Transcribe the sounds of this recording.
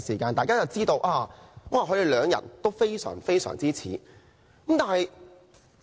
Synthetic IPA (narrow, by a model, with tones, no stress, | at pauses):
siː˨˩kaː˧nt̪aː˨˧kaː˥t͡sɐ˨wt͡siː˥t̪o˧wʔaː˧wʔaː˨˩kʰɵ˨˧˥t̪e˨jlœː˨˧ŋjɐ̰˨˩nt̪o˥wfe˥jsœ̰ː˨˩ŋfe˥jsœ̰ː˨˩ŋt͡siː˥t͡sʰḭː˨˥ | kmt̪aː˨˧nhɐ˨j